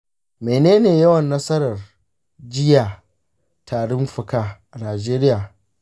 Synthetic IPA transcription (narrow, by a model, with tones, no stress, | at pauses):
meː˨neː˦neː˨jɐ˦wɐ˨nːɐ˦sɐ˦ɾɐ˨r | d͡ʒɪ˦jaː˨ | tʰaː˨ɽɪ˦mɸʊ˨kaː˦ʔa˨naː˨d͡ʒeː˦ɾɪ˦jaː˨